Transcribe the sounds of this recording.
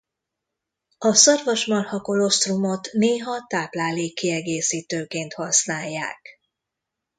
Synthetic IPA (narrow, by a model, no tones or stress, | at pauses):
ɒsɒrvɒʃmɒrhɒko̞lo̞st̪rumo̞t̪neːɦɒt̪aːplaːleːkːiɛɡeːsiːt̪øːkeːnt̪hɒsnaːjːa̰ːk